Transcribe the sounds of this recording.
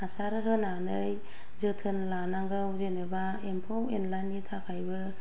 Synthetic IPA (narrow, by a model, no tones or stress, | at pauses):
asaɾɯɦɯnanɯj | zɯtʰɯnlanaŋɡɯwzenɯba | empʰɔwenlanitʰakʰajbɯ